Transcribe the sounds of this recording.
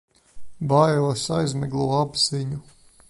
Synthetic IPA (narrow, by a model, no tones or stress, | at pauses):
bajsajzmɛɡlˠuɔabz̥iɲu